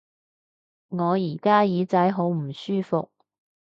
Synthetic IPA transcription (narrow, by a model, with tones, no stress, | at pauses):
ŋɔː˨˧jiː˨˩kaː˥jiː˨˧t͡sɐ˨˥jɦo˨˥wm̩˨˩syː˥fʊ˨k̚